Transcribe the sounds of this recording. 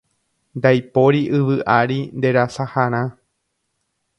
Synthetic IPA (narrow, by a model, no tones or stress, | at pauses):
nd̪ajpo̞ɾiʔɨʋɨʔaɾind̪e̞ɾasahaɾ̃ã